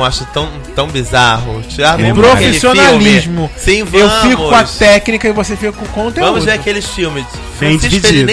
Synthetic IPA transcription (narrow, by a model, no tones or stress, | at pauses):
aʃʊt̪ɐ̃w̃t̪ɐ̃w̃bizaɦʊt͡ʃiapɾofeisionaliʒmʊsĩvew̃fikʊkõɐt̪ɛknikɐɪvosefikʊkõkõnt̪evɐ̃mʊzuveɾɐkelɪsfiwmɪ̃ | vid͡ʒeiñ